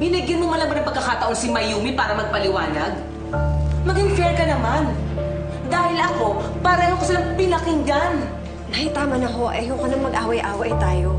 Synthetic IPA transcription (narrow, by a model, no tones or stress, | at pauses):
bɪniɡɪnmomɐlɐmɐnɐŋpɐɡ̚kːɐkaːt̪ɐʔonsɪmɐjuːmipaːɾɐmɐɡ̚pɐlɪwaːnɐɡ̚ | mɐɡɪŋfɛɹkɐnɐman | d̪aːhɪlɐko̞ | pɐɾɛɛːhokɐsɪlaŋpɪlɐkɪŋɡan | nɐhɪt̪aːmɐnɐɦo̞ʔɛ̰jokonɐŋmɐɡʔaːwɐjʔaːwɐʔɐjt̪aːjo